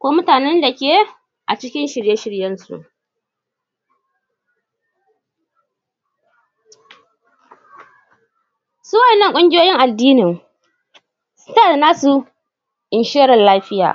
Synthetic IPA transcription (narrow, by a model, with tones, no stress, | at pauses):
kʷoː˦mʊ˦taː˨nɛ˦nda˨kʲe˦ | ʔa̰˨t͡ʃɪ˦kʲɪ˦nʃɪ˨ɽje˦ʃɪ˦ɽjɐ˦nsṵ˨ʔ | suː˦wɐ˨nːɐ˦˨kʷʼʊ˦ŋɡʲɪ˦joː˦jɪ˦ŋʔa˨dːiː˦nɪ˨ŋ | sta˦˨dnaː˦su˨ | ʔɪ˨nʃeː˦ɾɪ˨nlaː˦ɸɪ˦ja̰ː˨